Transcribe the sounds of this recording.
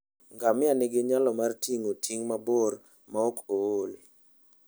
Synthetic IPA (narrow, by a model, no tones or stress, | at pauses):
ŋɡamɪanɪɡɪɲalɔmartʰiŋotʰiŋmabor | maokool